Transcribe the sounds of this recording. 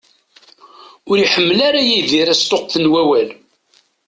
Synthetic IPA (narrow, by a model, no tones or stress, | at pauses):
ʊɾiħəmːlaɾajiðiɾæst̪oqθənwæwæl